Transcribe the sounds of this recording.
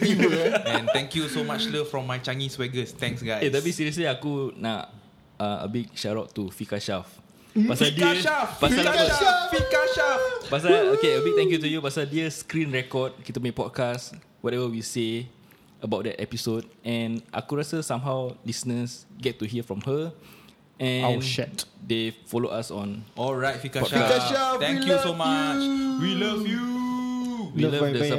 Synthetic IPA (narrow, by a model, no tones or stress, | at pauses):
iəɛ̃nɛ̃ŋkjusomat͡ʃləfɹɔ̃mːajt͡ʃaŋiswɛɡəst̪ɛ̃ŋksɡajetɛbisiɹiəsliakuna̰ʔ | ãə̰bik̚ʃaɹɔʔ̚tufikaʃaf | pasadiəafpasalafikaʃafpasaokeəbik̚t̪ɛ̃ŋkjut̬ujupasadiəskɾĩnɹɛkɔd̚kit̪əmepɔd̚kas | wɔtɛvəwise | əbawt̚dɛ̰tɛ̰pisod̚ɛ̃nʔa̰kuɹasəsãmɦawlisnəsɡɛtːuhiəfɹɔ̃mhə | ɛ̃nɛtdefɔlo̰ʔasɔ̰̃nɔlɹajt̚fikat̪ɛ̃ŋkjusomat͡ʃwilavju | wiləvdəs